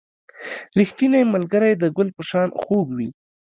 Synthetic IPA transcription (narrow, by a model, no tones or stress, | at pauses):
ɾixt̪inajmalɡəɾajd̪əɡʊlpəʃɑnxoɡwi